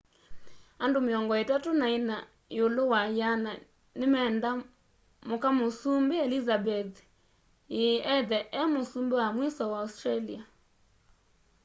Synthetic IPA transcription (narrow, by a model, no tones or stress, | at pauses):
andomeɔŋɡɔetatonaina | jolowajana | nemɛnda | mokamosumbeɛlizabɛð | eʔɛðɛʔɛmosumbewamwisɔwaustralia